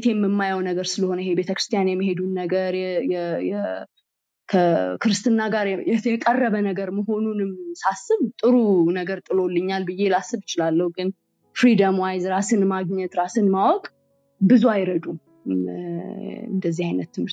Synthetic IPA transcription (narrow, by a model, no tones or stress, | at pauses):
t̪ʰejmːɨmːajawnəɡəɾsɨləho̞nəjhebe̞t̪ʰəkɾɨst̪ʰijanjɛmːiɦe̞d̪unːəɡəɾjɛjɛjɛ | kʰəkʰɨɾɨst̪ʰɨnːaɡaɾɛjɛkʼərːəβənəɡəɾməɦo̞nunɨmsasːɨβt̪ʼɨɾunəɡəɾt̪ʼɨlo̞lːɨɲːalbɨjːelasːɨβjɪt͡ʃɪlalːəhuɡɨn | fɾid̪əmwajzɾasɨnmaɡɲɛt̪ɾasɨnmawɔkʼ | bɨzuajɾəd̪u | ɨ̰nd̪əzːihajnət̪ːɨmhɨɾt̪